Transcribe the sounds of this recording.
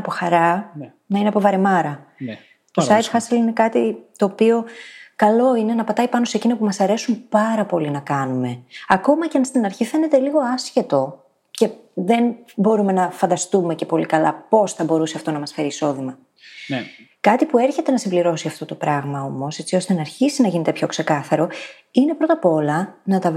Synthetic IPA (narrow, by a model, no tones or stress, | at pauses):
ɐpo̞xɐɾɐ | nɐineɐpo̞vɐɾe̞mɐɾɐ | t̪osɐjt̪fɐsiline̞kɐt̪it̪o̞ːpio̞kɐlo̞ine̞nɐpɐt̪ɐipɐno̞secinopumɐsɐɾe̞sumpɐɾɐpo̞linɐkɐnume̞ɐko̞mɐceɐnst̪inɐɾçife̞ne̞t̪e̞liɣo̞ɐsçe̞t̪o̞ | ce̞ | ðe̞nbo̞ɾume̞nɐfɐnd̪ɐst̪ume̞ce̞po̞likɐlɐ̰po̞sθɐbo̞ɾuseɐft̪o̞nɐmɐsfe̞ɾiːso̞ðimɐ | kɐt̪ipue̞ɾçe̞t̪e̞nɐsimbliɾo̞siɐft̪ot̪opɾɐɣmɐo̞mo̞se̞t͡sio̞st̪e̞nɐːɾçisinɐʝine̞t̪epço̞kse̞kɐθɐɾo̞ | ine̞pɾo̞t̪ɐpo̞lɐnɐt̪ɐ